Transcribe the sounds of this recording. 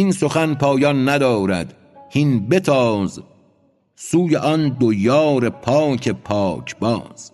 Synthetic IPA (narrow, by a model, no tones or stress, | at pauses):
inso̞xænpʰɒːjɒnːæd̪ɒːɾæ̰d̪ | hinbe̞t̪ʰɒːz | suːjeʔɒnd̪ojɒːɾepʰɒːcʰe̞pʰɒːcʰbɒːz̥